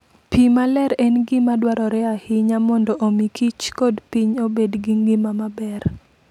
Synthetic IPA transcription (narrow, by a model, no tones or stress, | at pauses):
pimalɛɾɛnɡimadwaɾɔɾɛahɪɲamɔndɔʔomikʰit͡ʃkodpiɲobedɡiŋɡimamabɛr